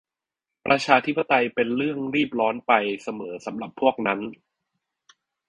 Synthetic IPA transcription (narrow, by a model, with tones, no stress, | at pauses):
pɾʔa˧t͡ɕʰaː˧t̪ʰi˦˥pːa˧t̪a˧jpe˧nɾɯ˥˩əŋɾiː˥˩p̚ɾɔː˦˥npa˧jsa˧mɤː˩˦sa˩˦mɾa˨˩pʰːu˥˩ək̚na˦˥n